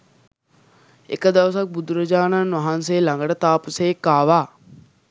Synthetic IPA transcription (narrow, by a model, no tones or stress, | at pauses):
ḛkəd̪ɐʋəsak̚bud̪uɾɐd͡ʒaːnanʋaɦansejlaŋɡəɖət̪aːpusejekːaːʋaː